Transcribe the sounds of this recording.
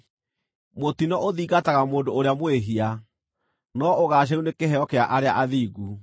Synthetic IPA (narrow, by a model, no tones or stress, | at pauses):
motinɔʔoðiːɣataɣamoːndooɾeamweɦia | nɔoɣaːɕ̬aunekeɦɛɔkeaʔaɾeaʔaðiːɣu